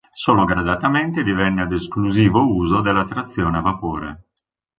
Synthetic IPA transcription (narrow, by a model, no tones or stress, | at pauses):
soːloɡɾad̪at̪ament̪ed̪ivɛnːead̪eskluziːvouːzod̪elːat̪ːɾat̪sːjɔːneavapoːɾḛ